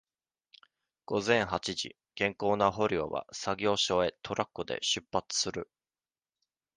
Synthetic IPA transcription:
ɡ̥o̞zẽ̞ɰ̃hat͡ɕiʑḭ | ɡ̥ẽ̞ŋko̞ːnaɦo̞ɾʲio̞̰βa̰saɡʲo̞ːɕo̞e̞t̪ʰo̞ɾʔakːod̪e̞̰ɕɨpːat͡sɨ̥sɨɾɯ̟

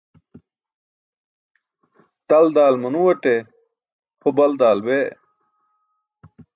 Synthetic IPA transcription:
t̪ɐld̪aːlmɐnuwɐʈe | pʰobɐld̪aːlbe

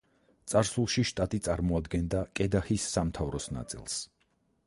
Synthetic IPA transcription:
t̪sʼaɾsulˠʃiʃt̪ʼat̪ʼit̪sʼaɾmɔad̪ɡɛnd̪akʼɛd̪ahisːamt̪ʰavɾɔsna̰t̪sʼḭlˠs

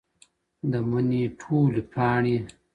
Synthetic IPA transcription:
d̪əməniʈʰoːlipʰɑːɳi

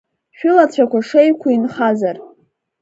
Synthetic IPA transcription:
ʃᶣʊlat͡ɕʷʰakʷaʂejkʷʰainχazar

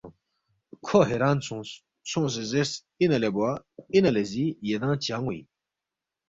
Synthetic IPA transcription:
kʰoɦeɾaːnsũːs | sõːs̬ezes | inɐlebwainɐlezijed̪ãːt͡ɕaːŋɡwuḭ

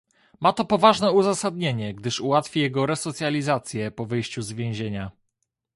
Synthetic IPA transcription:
mat̪ɔpɔvaʐnɛuzasad̪ɲeɲɛɡd̪ɘʂuwat̪fʲijɛɡɔɾɛsɔt̪sʲjalʲizat̪sʲjɛpɔvɘjɕt͡ɕuzvʲjẽw̃ʑeɲa

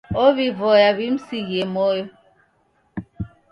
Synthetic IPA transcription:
oβivɔjaβim̩siɣemɔjɔ

